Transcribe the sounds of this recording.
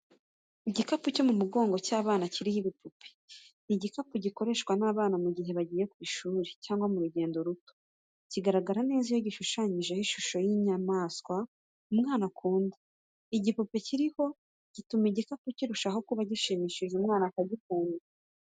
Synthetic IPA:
iɟikapuco̞mumuɡo̞ːŋɡo̞caːβaːnaciɾihiβipʰupʰe̥ | iɟikapuɟiko̞ɾe̞ʃkwanaːβaːnamuɟiɦe̞βaɟiːje̞kwiːʃuːɾecaːŋɡwamuɾuɟe̞ːndo̞ɾuto̥ | ciɡaɾaɡaɾane̞ːzijo̞ɟiʃuʃaɲiʒe̞hiʃuʃo̞jiɲamaːskwa | umŋaːnakuːnde | iɟipupe̞ciɾiho̞ | ɟ̥itumeɟikapuciɾuʃaɦo̞kuβaɟiʃimiːʃiʒeumŋaːnakaɟikuːna

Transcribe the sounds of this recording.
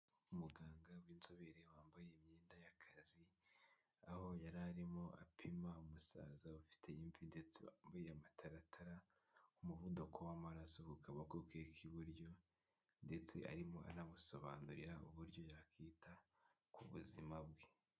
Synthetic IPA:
umuɡaːŋɡawiːnzoβeɾewaːmbaje̞imɲeːndajakʰazi | aho̞jaɾaɾimo̞ʔa̰pʰimaumusa̰ːzaufi̥tʰe̞impinde̞t͡sewaːmbajeamatʰaɾatʰaɾa | umuvudokʰo̞wamaɾaso̞kukʰaβakokekʰiβuɾjo̞ | nde̞t͡se̞̰ʔa̰ɾimo̞ʔa̰naβuso̞βanuɾiɾaṵβuɾɟo̞jakiːtʰa | kʰuβṵzimabɡe

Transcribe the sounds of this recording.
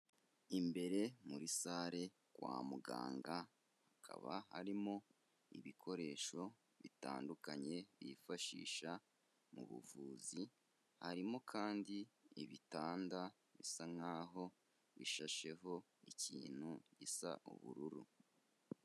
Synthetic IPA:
imbe̞ɾe̞muɾisaːɾe̞ | kwa̰ːmuɡaːŋɡa | hakʰa̰βahaɾimo̞ | ḭβikʰo̞ɾe̞ʃo̞ | βita̰ːndukaɲe̞βifaʃḭːʃa | muβṵvuːzi | haɾimo̞kʰaːndiiβitaːnda | βisaŋaːɦo̞ | βḭʃaʃe̞ɦo̞ | iciːn̥huɟisa̰ʔṵβṵɾuɾṵ

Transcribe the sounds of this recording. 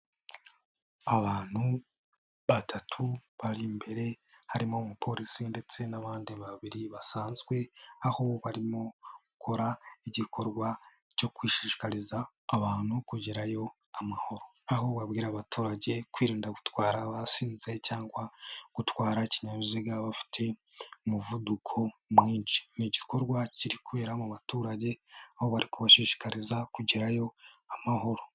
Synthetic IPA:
aβaːn̥hu | βatʰatʰuβaɾimbe̞ɾe̞haɾimo̞mupʰo̞ɾisinde̞t͡se̞naβaːndiβaβiɾiβasaːnzɡwe̞aho̞βaɾimo̞ɡukʰo̞ɾaiɟikʰo̞ɾɡwa | co̞kwiːʃiʃi̥kaɾizaː | βaːn̥hukuɟiɾajo̞ | amaho̞ɾo̞aɦo̞βabɡiːɾaːβatʰuːɾaɟe̞kwiːɾiːndaɡu̥twaːɾaβasiːnze̞caːŋɡwaɡ̥utwaːɾaeciɲaɾuziɡaβafi̥tʰe̞ | umuvudukʰo̞mŋiːnt͡ʃi̥niɟiko̞ɾɡwaciɾikuβe̞ːɾamuβatuːɾaɟe̞aho̞βaɾikuβaʃiːʃi̥kaɾizakuɟiɾajo̞amaɦo̞ɾo̞

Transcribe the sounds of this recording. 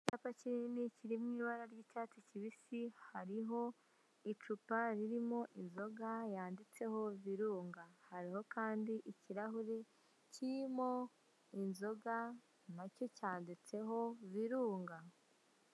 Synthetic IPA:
caːpaciɾiniciɾimŋiːβaɾaɾɟiːtatuciβisihaɾiɦo̞ | it͡ʃupaɾiɾimo̞ʔinzo̞ɡajaːndit͡se̞ho̞βiɾuːŋɡahaɾiho̞kaːndiʔiciɾaɦuɾe | ciɾimo̞ | inzo̞ɡa | naco̞caːndit͡se̞ɦo̞βiɾuːŋɡa

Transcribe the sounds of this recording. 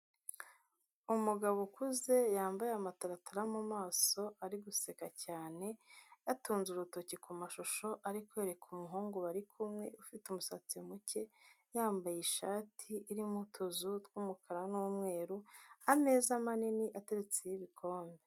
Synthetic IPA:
umuɡaβokuze̞jaːmbajeamataɾataɾamumaːso̞ʔaɾiɡuse̞kacaːne̞jatuːnzuɾuto̞cikumaʃoʃo̞ʔaɾikwoeɾe̞kʰumuɦuːŋɡuβaɾikʰumŋe̞̰ʔufitumusat͡simuce̞ | jaːmbajeʃaːtʰiʔːɾimhutʰozutwuːmukʰaɾanuːmŋe̞ːɾuame̞ːzamaniniʔateɾet͡sejiβikʰo̞ːmbe

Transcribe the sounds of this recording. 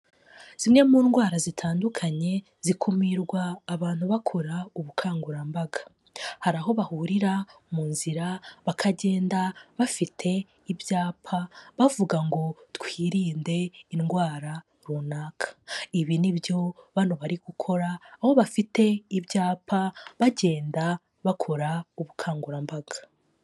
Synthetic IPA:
z̥imŋe̞muːnɡwaːɾazitʰaːndukʰaɲe̞ | z̥ikʰumiɾɡwaːβaːn̥huβakʰoɾauβukʰaːŋɡuɾambaɡḁ | haɾaɦo̞βahuɾiɾa | muːnziɾaβakʰaɟe̞ːndaβafitʰe̞ | ivjaːpʰaβavuɡaŋɡo̞twiːɾiːnde̞inɡwaːɾa | ɾunaːkʰḁiβinibjo̞βan̥uβaɾiɡ̥ukʰo̞ɾaːho̞βafite̞ivjaːpʰaβaɟe̞ːnda | βakʰo̞ɾauβukʰaːŋɡuɾambaɡ̥ḁ

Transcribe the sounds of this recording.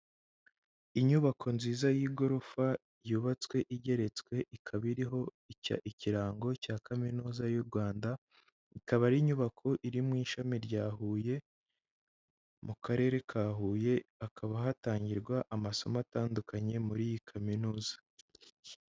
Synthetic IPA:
iɲuβakʰo̞nziːzajiːɡo̞ɾofa | juːβat͡swe̞ʔiɟe̞ɾe̞t͡swe̞ʔikʰaβiɾiɦo̞ | a̰iciɾaːŋɡo̞caːkaminuːzajuɾɡwaːnda | ikaβaɾiɲuβakʰo̞ʔiɾimŋiːʃamiɾɟaːɦuje̞ | mukʰaɾe̞ɾe̞kʰaːɦuːje̞akʰaβaɦataːɲɟiɾɡwaʔamaso̞mataːndukaɲe̞muɾiːjikʰaminuːzḁ

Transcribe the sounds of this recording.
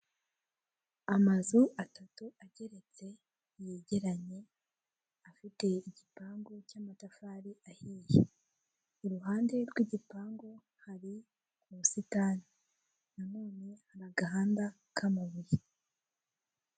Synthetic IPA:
amazuʔatatuaɟe̞ɾe̞t͡se̞ | jeɟe̞ɾaɲe̞ | afite̞iɟipaːŋɡo̞caːmatafaːɾiʔahiːje | uɾuɦaːnde̞ɾɡwiɟipaːŋɡo̞ | haɾi | muusitana | namuːnehaɾaɡaɦaːnda | kʰamaβuɾi

